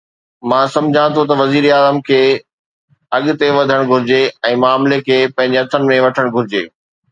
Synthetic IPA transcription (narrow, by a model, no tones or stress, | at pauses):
mãːsɐ̃md͡ʑʱãt̪ʰot̪̬ɐʋɐziːɾaːzəmkʰeː | ɐɠʊt̪eʋɐd̪ʱəɽ̃ɡʱʊɾɪd͡ʑeɛ̃ːmaːmlekʰeːpɐ̃ɦɪ̃ɲd͡ʑeɐt̪ʰənɪ̆mẽʋɐʈʰəɽ̃ɡʱʊɾɪd͡ʑeː